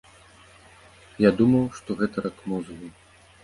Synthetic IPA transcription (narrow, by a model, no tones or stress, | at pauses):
jad̪umɐwʂt̪ɔɣɛt̪ɐɾɐkmuzɨɣi